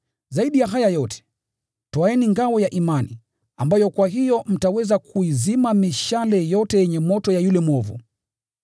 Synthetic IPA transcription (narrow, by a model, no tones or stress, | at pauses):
zaiɗijaɦajajɔtɛ̥ | tɔaɛniŋɡawɔjaʔimanḭ | ambajɔkwaɦijɔm̩tawɛzakʰuizimamiʃalɛjɔtɛjɛɲɛmɔtɔjajulɛmɔvṵ